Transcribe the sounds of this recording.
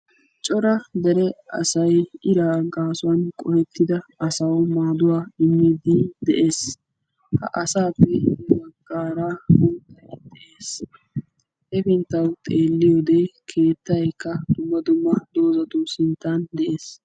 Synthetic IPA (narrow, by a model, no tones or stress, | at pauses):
t͡ʃʼɔɾɐd̪ɛɾɛɐ̰sɐjɪɾaːɡaːsʊwɐnkʼɔhɛt̪ʰːɪd̪ɐɐsɐwmaːd̪ʊwaːɪmːid̪ɪd̪ɛʔe̞ːs | hɐ̰ʔɐsaːpːɛbɐɡːaːɾabʊnt̪ːɐjd̪ɛʔeːs | ʔɛfɪnt̪ːɐwt̪ʼe̞ːlːɪjoːd̪ɛkʰe̞ːt̪ːɐjkːɐd̪ʊmːɐd̪ʊmːɐd̪o̞ːzɐt̪uːsɪnt̪ːɐnd̪ɛʔeːs